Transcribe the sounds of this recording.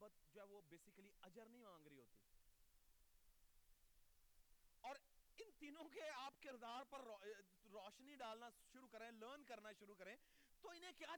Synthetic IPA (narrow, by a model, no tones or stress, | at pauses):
bət̪̚d͡ʒoːɦɛːʋobeːsɪkliɐd͡ʒəɾnɐɦĩmãːŋɡɾəiɦoːt̪ḭː | ɔːɾɪnt̪iːnõkeaːpkɪɾd̪aːɾpɐɾɔ | ɾɔːʃniɖaːlnaʃʊɾukɐɾẽːləːɾnkɐɾnaʃʊɾukɐɾẽː | t̪oːɪnɦẽkjaː